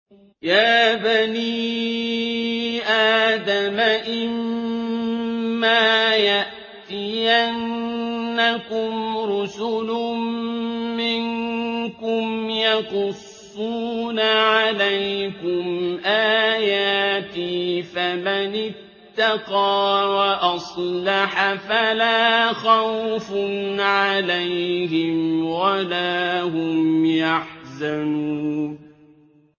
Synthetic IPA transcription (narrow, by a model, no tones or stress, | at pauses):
jaːbaniː | ʔaːd̪amaʔɪm | aːjaʔ | t̪ɪjʔanː | akʊmɾʊsʊlʊmmɪnkʊmjɑqʊsːuːnaʕalajkʊmʔaːjaːt̪iːfamanɪt̪ːɑqɑːwaʔɑsˤlɑħafalaːxawfʊnʕalajhɪmwalaːhʊmjaħzanuːn